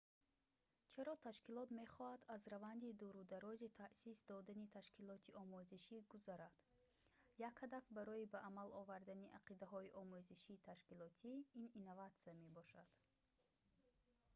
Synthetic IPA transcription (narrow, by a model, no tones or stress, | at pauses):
t͡ʃʰaɾɔt̪ʰaʃkilɔt̪me̞χɔhad̪azɾavand̪id̪uɾud̪aɾɔzit̪ʰaʔsisd̪ɔd̪anit̪ʰaʃkilɔt̪ʰiʔɔmuziʃiɡuzaɾad̪̥ | jakhad̪afbaɾɔibaʔːmalɔvaɾd̪aniʔaqʰid̪aɦɔiʔɔmuziʃiːt̪ʰaʃkilɔt̪ʰiininːavat̪siame̞bɔʃad̪̥